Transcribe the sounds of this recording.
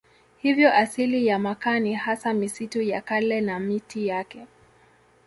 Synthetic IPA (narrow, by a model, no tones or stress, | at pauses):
hivjɔʔasilijamakanihasamisitujakalɛnamitijakɛ